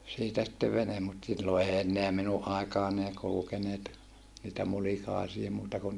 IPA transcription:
siːtæ sitːeʋ ʋenem mut silːo ei enːeæ minuʔ ʔɑˑikɑːn ei kulukeneːt niːtæ mulikɑˑisie muːtɑ kun

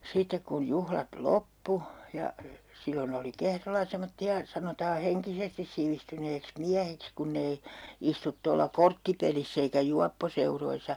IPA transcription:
sitek kun juhlɑt lopːu jɑ silːon oli kehrolːɑ semotːiɑ sɑnotɑː heŋkisestis siʋistyneːks miæhiks kunːei istut tolːɑ kortːipelisː eikæ juɑpːoseuroisɑ

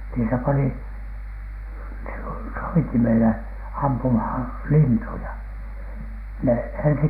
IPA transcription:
niː se pɑni so soitimele ɑmpumhɑn lintujɑ ne ensi

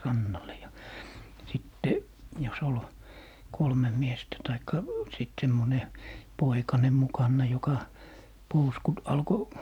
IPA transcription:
rɑnːɑle jɑ sitːe jos ol kolmem miestæ tɑikːɑ sit semːone poikɑne mukɑnːɑ jokɑ pouskut ɑlko

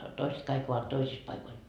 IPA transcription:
toiset kɑik oʋɑt toisis pɑikoil

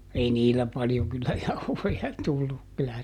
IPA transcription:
ei niːlæ pɑljoŋ kylːæ jɑuhojɑ tulːuk kylæ

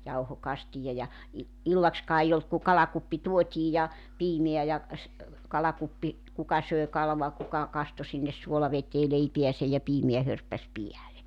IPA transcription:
jɑuhokɑstijɑ jɑ i ilːɑkskɑː ei olt ku kɑlɑkupːi tuotʲiː jɑ piːmeæ jɑ s̩ kɑlɑkupːi kukɑ søˑe kɑluɑ kukɑ kɑsto sinːes suolɑʋeteː leipiæsej jɑ piːmeæ hørpːæs piæle

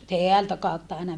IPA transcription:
teæltæ kɑˑutːɑ ɑinɑ

